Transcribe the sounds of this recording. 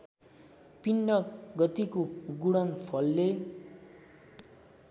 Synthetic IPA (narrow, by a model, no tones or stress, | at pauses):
pinːʌɡʌt̪ikoɡuɽʌŋpʰʌlːe